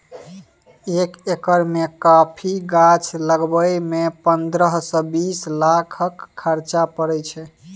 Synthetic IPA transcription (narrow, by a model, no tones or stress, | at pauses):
ekekəɾmekapʰiɡat͡ʃʰləɡbəjmepənd̪ɾəɦsɔ̃bislakʰəkʰːəɾt͡ʃapəɾɛt͡ʃʰɛ